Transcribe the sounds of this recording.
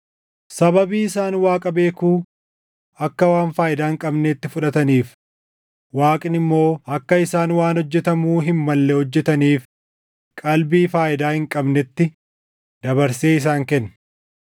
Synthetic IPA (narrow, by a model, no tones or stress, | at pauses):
sɐbɐbiːɪsaːnwaːkʼɐbe̞ːkuː | ɐkːɐwaːnfaːʔɪd̪aːhɪŋkʼɐbneːt̪ːɪfʊᶑɐt̪ɐniːf | waːkʼɪnɪmːo̞ːɐkːɐɪsaːnwaːnhɔd͡ʒːɛt̪ɐmuːɦɪmːɐlːɛhɔd͡ʒːɛt̪ɐniːf | kʼɐlbiːfaːʔɪd̪aːhɪŋkʼɐbnɛt̪ːɪ | d̪ɐbɐɾseːɪs̬aːŋkɛnː